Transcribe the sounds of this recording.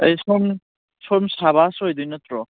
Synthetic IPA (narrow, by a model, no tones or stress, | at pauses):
ejsom | somsaβasjdujnɯt̪ɾɔ